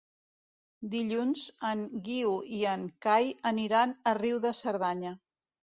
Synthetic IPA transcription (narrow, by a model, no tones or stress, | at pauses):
d̪iʎunzəŋɡiuiəŋkajəniɾanəriwðəsəɾð̞aɲə